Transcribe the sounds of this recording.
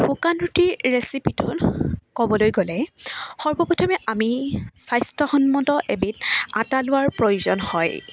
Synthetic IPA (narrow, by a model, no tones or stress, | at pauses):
bukanɹutiɹɹesipitʊnkɔbɔlojɡolɛxɔɹbɔpɔtʰɔmɛʔamisajstɔxɔnmɔtɔʔebita̰talʊwaɹpɹojuzɔnhɔj